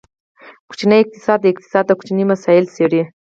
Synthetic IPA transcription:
ku̥t͡ʃinəjɪq̚t̪ɪ̥sɑd̪̚ːəɪq̚t̪ɪ̥sɑd̪awku̥t͡ʃinimasɑjɪlseɽi

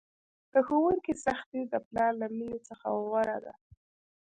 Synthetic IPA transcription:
d̪̥əxowuŋkisaxt̪id̪əplɑɾlaminet͡səxa̰wɣaɾa̰d̪a̰

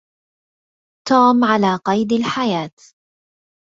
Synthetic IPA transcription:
t̪uːmʕalaːqɑjd̪alħajaːt̪

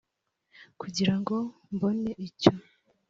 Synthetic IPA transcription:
kuɟiɾaŋɡo̞ | mbo̞ne̞ʔico

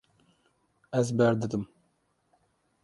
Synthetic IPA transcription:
ɛzbɛɾd̪ɨd̪ɨm

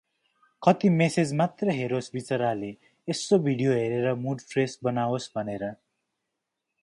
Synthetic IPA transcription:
kʌt̪imesed͡zmat̪rʌɦeɾosbit͡sʌɾaleː | sobʱiɽijoɦeɾeɾʌmuɖpʰresbʌnawosbʱʌneɾʌ

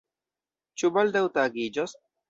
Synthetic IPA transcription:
t͡ʃubald̪awt̪aɡid͡ʒos

